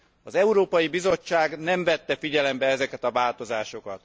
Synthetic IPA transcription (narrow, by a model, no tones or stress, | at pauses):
ɒzɛuɾoːpɒjibizo̞t͡ʃːaːɡnɛɱvɛt̪ːɛfiɟɛlɛmbɛɛzɛkɛt̪ɒvaːlt̪o̞zaːʃo̞kɒt̪